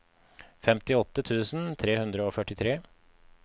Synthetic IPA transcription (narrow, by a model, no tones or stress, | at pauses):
fɛmt̪ɪɔt̪ːət̪ʰʉːsn̩t̪ʰɾeːhʉnd̪ɾəoːfœʈːɪt̪ʰɾeː